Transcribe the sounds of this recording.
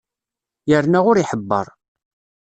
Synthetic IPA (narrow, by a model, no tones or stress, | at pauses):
jəɾnæʁʊɾiħəbːə̰ɾˤ